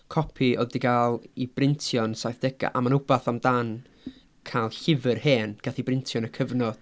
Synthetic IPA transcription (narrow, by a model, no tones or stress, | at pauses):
kʰɔpʰiʔɔðdiɡaːlˠibrɪntʰjɔnsajθd̥ɛɡ̥a̰ʔamanʊbaθamdan | kʰalˠɬɪvɨrheːnɡ̥aθibrɪntʰjɔnəkʰəvnɔd̥